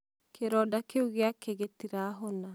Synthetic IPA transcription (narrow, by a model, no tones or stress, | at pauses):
kʰeɾɔdakeuɣeakeɣetiɾaːɦɔna